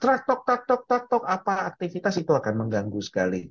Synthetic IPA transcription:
t̪ɾak̚t̪ɔk̚t̪ak̚t̪ɔk̚t̪ak̚t̪ɔkapaːk̚t̪ifit̪asit̪uakanməŋɡaŋɡusə̥kalḭ

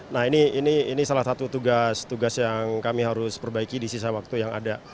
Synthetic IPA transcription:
nahiniːniːnisalasat̪ut̪uɡast̪uɡasjaŋkamiɦaɾʊspərbaikidisis̬awak̚t̪ujaŋa̰da

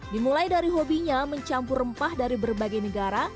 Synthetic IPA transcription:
dimulajdaɾiɦobiɲaməɲt͡ʃampurəmpahdaɾibərbaɡajnəɡaɾa

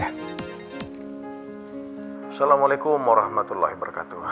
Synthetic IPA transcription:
salamalekʊmwaɾahmat̪ulːa̰hibəɾka̰t̪u

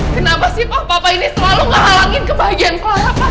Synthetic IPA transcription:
kənapasɪpapapainisəlaluŋɡaɦalaŋɪnkəbaɦaɡianklajapa

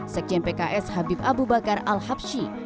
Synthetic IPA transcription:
sɛk̚d͡ʒɛnpekaʔɛshabipabubakaralhap̚ʃi

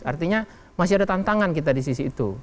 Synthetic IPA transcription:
a̰rt̪iɲa | mas̬iadat̪ant̪aŋankit̪adis̬isiːt̪ṵ

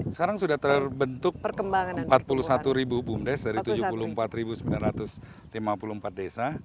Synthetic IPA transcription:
sə̥kaɾaŋsudaht̪əbənt̪ʊk̚pəkəmbaŋaəmpat̪̚pulusat̪uɾibubʊmdɛsdaɾit̪ud͡ʒuppuluhəmpat̪ɾibusəmbilanrat̪ʊs | limapuluhmpat̪̚desa

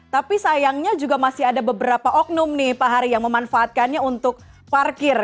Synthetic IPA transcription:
t̪apisajaŋɲad͡ʒuɡamasɪɦadabəbəɾapaʔɔk̚nʊmnɪhpaɦaɾijaŋməmanfaʔːt̪̚kanɲaunt̪ʊk̚ | parkɪr

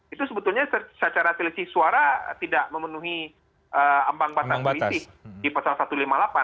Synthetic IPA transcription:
it̪usəbət̪ulɲasəsat͡ʃaɾasilisɪhsuaɾa̰t̪idaʔməmənuɦi | ʔəambaŋbat̪aisɪh | dipasalasat̪ulimalapa

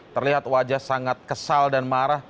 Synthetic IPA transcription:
t̪ərliɦat̪̚wad͡ʒahsaŋat̪̚kəsaldanmaɾah

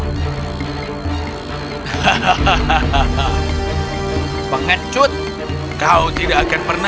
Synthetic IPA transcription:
pəŋət͡ʃʊt̪̚ | kaut̪idaːkanpərna

